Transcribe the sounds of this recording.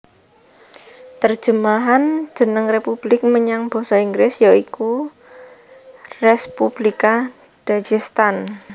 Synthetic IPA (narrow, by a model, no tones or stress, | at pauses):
t̪ərd̥ʒ̥əmaɦan̥d͡ʒ̥ə̤nəŋrepub̥lɪk̚məɲaŋb̥o̤saiŋɡlɪsjaiku | rɛspub̥lika | d̥ad͡ʒist̪an